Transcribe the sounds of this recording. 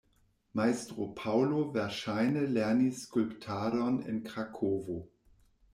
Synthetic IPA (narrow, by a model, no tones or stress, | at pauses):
maɪstʁopʰaʊlovɛɐʃaɪnəlɛɐniskʊlptʰaːdɔnɪ̰nkʁ̥akʰoːvo